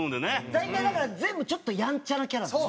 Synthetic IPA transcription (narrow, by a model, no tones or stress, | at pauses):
nd̪enezait̪ːãj̃d̪akaɾazẽ̞mbɯ̟t͡ɕo̞t̪ːojãɲ̟t͡ɕanakʲaɾa